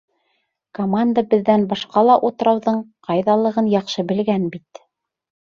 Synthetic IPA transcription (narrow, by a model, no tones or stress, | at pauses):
komand̪abɘ̆ðːænbɑʃqɑlˠɑʔut̪ɤ̆ɾɑwðɤɴqʰɑjðɑlˠɤ̆ʁɤnjɑqʃɤbɘ̆lɡænbit̪